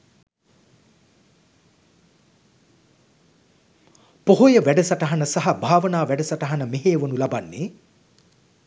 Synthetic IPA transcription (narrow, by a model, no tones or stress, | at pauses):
poɦojəʋæɖəsaʈɐɦanəsaɦɐbʱaːʋənaːʋæɖəsaʈɐɦanəmeɦeːʋonulabanːe